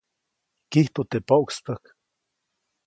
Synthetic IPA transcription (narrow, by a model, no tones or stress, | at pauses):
kiht̪ot̪epoʔksp̪ək